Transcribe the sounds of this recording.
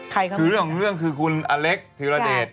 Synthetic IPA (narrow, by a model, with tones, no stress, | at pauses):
kʰa˧kʰkɯː˧ɾɯ˥˩əɾɯ˥˩əŋkʰɯː˧kʰu˧nʔaː˧le˦˥k̚sʰi˨˦ɾlaː˧deː˨˩t̪̚